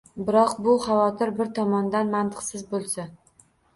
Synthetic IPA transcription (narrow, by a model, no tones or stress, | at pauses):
bɪɾɒqbʊχavɒt̪ʰɪɾbɪɾt̪ʰɒmɒnd̪anmant̪ʰɨ̥qsɪzbolˠsa